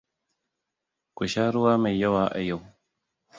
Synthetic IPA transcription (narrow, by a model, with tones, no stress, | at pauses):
ku˨ʃa˦ɾu˦waː˦ma˨ja˦waː˨˦ʔa̰˨ja˦˨w